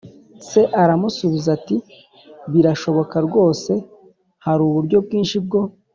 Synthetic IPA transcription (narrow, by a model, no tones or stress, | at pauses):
se̞ʔaɾamusuβizati | βiɾaʃo̞βo̞kaɾɡo̞ːse̞ | haɾuβuɾɟo̞b̚ɡiːnʃib̚ɡo̞